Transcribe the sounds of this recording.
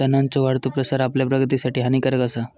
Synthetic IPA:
t̪ənant͡sɔʋaɽt̪opɾəsaɾapljapɾəɡt̪̬isaʈiːɦanikəɾəkasa

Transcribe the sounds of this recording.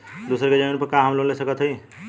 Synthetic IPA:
d̪uːsəɾked͡ʒəminpəɾkãɦəmlonlesəkət̪ɦəi

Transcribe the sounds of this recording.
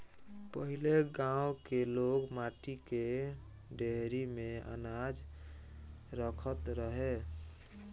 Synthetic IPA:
pəɦileɡãwkeloɡmaʈike | ɖeɦɾimeə̰nad͡ʒ | ɾəkʰət̪ɾəɦe

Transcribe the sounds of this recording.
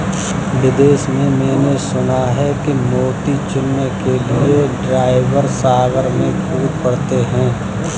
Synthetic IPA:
ʋɪd̪eːʃmẽmɛ̃ːnesʊnaɦɛkimoːʈit͡ʃʊnːekelieɖɾaːɪʋəɾsaːʋəɾmẽpuːɾpɐɽt̪eɦɛ̃ː

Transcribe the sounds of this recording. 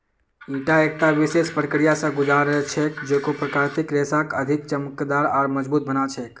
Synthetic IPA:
iʈaek̚ʈaʋisespɾəkɾijasə̃ɡud͡ʒaɾəɦɛt͡ʃʰɛkd͡ʒekopɾəkaɾt̪ikɾesakəd̪ʱik̚t͡ʃəməkd̪aɾaːɾməd͡ʒbut̪̚bənat͡ʃʰɛk

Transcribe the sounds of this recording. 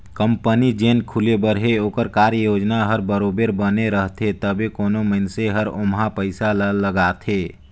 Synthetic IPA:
kəmpənid͡ʒeːnkʰulebəɾɦeoːkəɾkaːɾəjoːd͡ʒnaɦəɾbəɾoːbeɾbəneɾəɦt̪ʰet̪əbʱekoːnoməɪnseɦəɾʊmɦapəɪsalələɡaːt̪ʰeː

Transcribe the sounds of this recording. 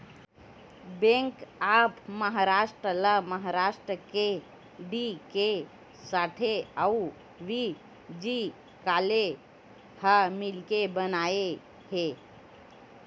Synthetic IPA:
bẽŋkapməɦaɾaʂʈɾələməɦaɾaʂʈɾəke | ɖike | saʈʰeau | ʋi | d͡ʒi | kale | hamilkebənae | he

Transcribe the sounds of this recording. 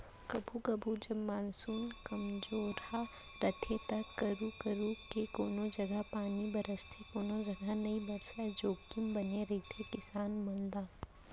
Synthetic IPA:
kɐbʱukɐbʱud͡ʒɐmaːnsuːnkɐmd͡ʒoːɾa | ɾɐt̪ʰet̪ɐkːɐɾukəɾuːkekoːnod͡ʒɐɡəɦpaːnibɐɾəst̪ʰekoːnod͡ʒɐɡənɐibɐɾsad͡ʒoːkɪmbɐneɾɐɦit̪ʰekɪsaːnmɐ̃nd̪aː

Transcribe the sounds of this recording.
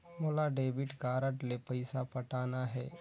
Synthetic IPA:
molaɖeːbɪʈɡaːɾəʈlepɐɪsapɐʈaːnaɦɛː

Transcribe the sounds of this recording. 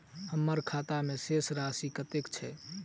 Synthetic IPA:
həmːəɾkʰat̪amesesɾasikət̪ekt͡ʃʰɛ

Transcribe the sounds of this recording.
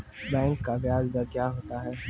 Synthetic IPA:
bɛ̃ːnkabjaːd͡ʒd̪akjaːɦoːt̪aɦɛː

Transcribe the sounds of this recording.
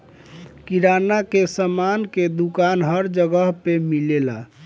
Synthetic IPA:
kiɾanakesəmanked̪ukanɦəɾd͡ʒəɡəɦpemilela̰

